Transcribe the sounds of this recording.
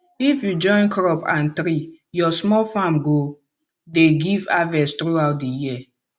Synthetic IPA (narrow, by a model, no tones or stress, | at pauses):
ifjud͡ʒɔ̃ɪ̃nkʰɹɔpʰãntɾi | jɔsmɔlfãmɡo | deɡivavɛstɹuawt̚dəji